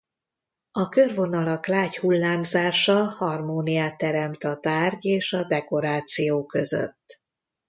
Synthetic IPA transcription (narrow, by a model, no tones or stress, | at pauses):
ɒkørvo̞nɒlɒklaːchulːaːmzaːʃɒhɒrmoːnijaːt̪ːɛɾɛmt̪ɒt̪aːrɟeːʃɒd̪ɛko̞ɾaːt̪sijoːkø̞zø̰t̪ː